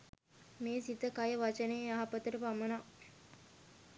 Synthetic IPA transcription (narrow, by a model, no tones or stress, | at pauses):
meːsit̪əkajəʋat͡ʃənejaɦapət̪əɾəpaməna